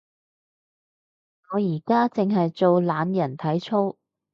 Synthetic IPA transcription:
ŋɔː˨˧jiː˨˩kaː˥t͡sɪ˨ŋɦɐ˨jt͡so˨˧wlaː˨˧njɐ˨˩nt̪ʰɐ˨˥jt͡ʃʰo˥w

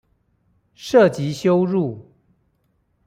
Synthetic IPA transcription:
ʂɤ˥˨t͡ɕi˨˦ɕjo˦ʊɻu˥˨

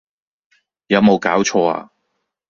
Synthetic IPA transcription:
jɐ˨˧wmo˨˧wkaː˨˥wt͡ʃʰɔː˧a̰ː˧

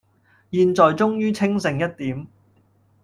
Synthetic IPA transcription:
jiː˧nt͡ʃɔː˨jt͡sʊ˥ŋjyː˥t͡sʰɪ˥ŋsɪ˨˩ŋjɐ˥t̚t̪iː˨˥m

